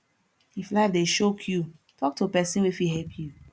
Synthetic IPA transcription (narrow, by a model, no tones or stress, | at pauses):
iflaɪfdeʃokʰju | tʰɔk̚tʰupɛsĩnwifiɦɛlpʰju